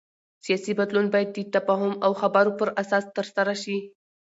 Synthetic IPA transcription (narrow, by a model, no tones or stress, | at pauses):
sijɑsibad̪lunbɑjad̪̚ːət̪afɑɦʊmawxabaɾopəɾasɑst̪əɾsaɾaʃi